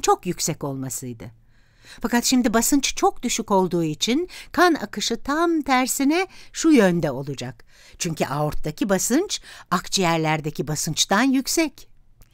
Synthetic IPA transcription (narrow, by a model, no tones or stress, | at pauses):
nt͡ʃʰo̞kjycsɛco̞lˠmasɯjd̪ɯ | fakat̪ʃimd̪ibasɯnt͡ʃt͡ʃʰo̞k̚d̪̥yʃyko̞lˠd̪uːit͡ʃʰinkʰana̰kɯʃɯt̪ʰamt̪ʰæɾsinɛʃujønd̪ɛo̞lˠud͡ʒak | t͡ʃʰyɲcʰyʔaoɾt̪d̪acʰibasɯnt͡ʃakt͡ʃʰɯjæɾlʲæɾd̪ecʰibasɯnt͡ʃt̪anjycsɛc